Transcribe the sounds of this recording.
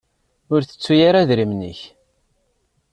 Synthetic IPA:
ʊɾθə̥t͡sːujaɾaðɾimnə̰ç

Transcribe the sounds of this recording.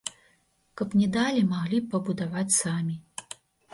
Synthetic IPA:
kɐpnʲɛd̪alʲimaɣlʲipɐbud̪avat͡sʲsamʲi

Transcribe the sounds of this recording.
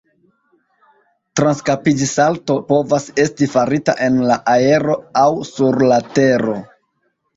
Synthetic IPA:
tɾanskapid͡ʒisalto̞po̞vase̞stifaɾita̰ʔe̞nlaʔae̞ɾo̞awsuɾlate̞ɾo̞

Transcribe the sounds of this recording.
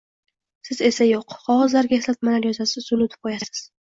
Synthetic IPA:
sɪze̞sajoqqʰɒʁɒzlaɾɡʲaɪslat̪̚malaɾjɒzasɪʊlˠʊt̪ʰɪp̚qʰojassɪ̥z̥

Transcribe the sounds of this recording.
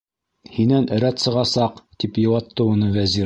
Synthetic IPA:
hinænɘ̆ɾæt̪sɤ̆ʁɑsɑqt̪ipjɤ̆wɑt̪ːɤunɤvæzi

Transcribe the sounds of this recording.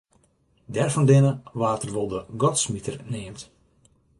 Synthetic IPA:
dɛrfɔndɪnəʋaːtərʋolˠdəɡɔtsmitərnɪːmt

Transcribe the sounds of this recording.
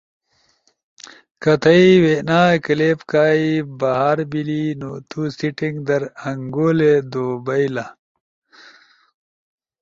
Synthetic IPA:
kɐt̪ʰɐiwenaːekɐleːpkaːibɐɦaːɾbilinot̪ʰusiʈiŋɡd̪ɐɾɐŋɡoːled̪oːbɐjla

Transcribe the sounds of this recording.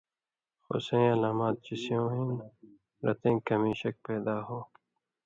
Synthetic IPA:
xo̰sẽːɐlaːmaːt̪̚t͡ɕisijõːɦĩn | ɾɐ̰t̪ẽːkɐmĩːɕɐk̚peːd̪aːɦoː

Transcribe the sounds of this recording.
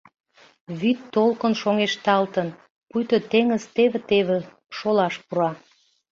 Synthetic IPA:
βyt̪ːolkənʃoŋeʃt̪ɑlt̪ən | pujt̪ot̪eŋəzt̪eβet̪eβĕ | ʃolɑʃpuɾɑ

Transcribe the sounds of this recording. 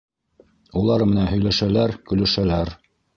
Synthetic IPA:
ulˠɑɾmɘ̆nænɦɵ̆jlæʃælæɾkɵ̆lɵ̆ʃælæɾ

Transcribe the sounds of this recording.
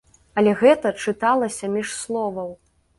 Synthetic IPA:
ɐlʲɛɣɛt̪ɐt͡ʂɨt̪alˠɐsʲɐmʲiʂslˠɔvɐw

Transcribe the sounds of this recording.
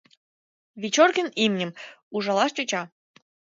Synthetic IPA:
βʲit͡ɕorkʲə̆nimnʲɘ̆muʒɑlɑʃt͡ɕut͡ɕɑ

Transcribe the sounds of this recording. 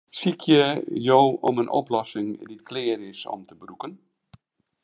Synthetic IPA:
sikʰjəjowomənʔo̰plɔsɪŋditklɪərɪsɔ̰mtəbrukən

